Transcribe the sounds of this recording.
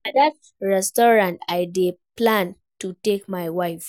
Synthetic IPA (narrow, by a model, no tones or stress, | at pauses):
adat̚ | ɹɛstɔɹãntaɪdeplãn | tutekmaɪwaɪf